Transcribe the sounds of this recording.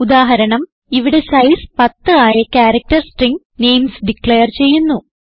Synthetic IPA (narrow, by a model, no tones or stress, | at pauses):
ud̪aːɦɐɾɐɳɐm | iʋiɽe̞sɐjspɐt̪ːɨaːjɐkaːɾɐk̚ʈɐrsʈriŋɡ | ne̞jmsɖikɭeːɐrt͡ɕe̞jːunːu